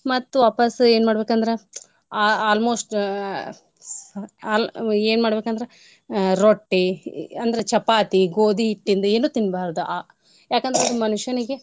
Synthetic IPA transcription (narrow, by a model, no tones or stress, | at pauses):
mɐt̪ːuʋaːpɐse̞ːnmaːɽbe̞ːkɐnd̪ɐɾe | aaːlmoːsʈ | aːleːnmaːɽbekɐnd̪ɐɾe | ɾoʈːiɐnd̪ɐɾet͡ʃɐpaːt̪iɡoːd̪iːʈːind̪ueːnuːt̪inːbaːɾd̪uʔaː | jaːkɐnd̪ɐɾeɐd̪umɐnuʂjɐniɡe